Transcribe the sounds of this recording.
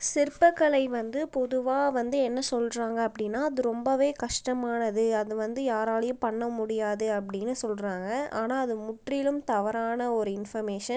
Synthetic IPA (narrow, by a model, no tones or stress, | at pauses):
sɪɾpɐkːɐɭɐɪʋɐnd̪ɯpɔðɯʋaːʋɐnd̪ɯɛnːɐsɔlɾaːŋɡɐːpːɐɽɪnːaːɐðɯɾɔmbɐʋeːkɐʂʈɐmaːnɐðɯɐðɯʋɐnd̪ɯjaːɾaːɭɐjɯpɐɳːɐmʊɽɪjaːðɯɐp̬ːɐɽɪnːɯsɔlraːŋɡɐaːnaːɐðɯmʊʈrɪjɪlɯmt̪ɐʋɐɾaːnɐɔɾɯɪnfɐɾmeːʂɐn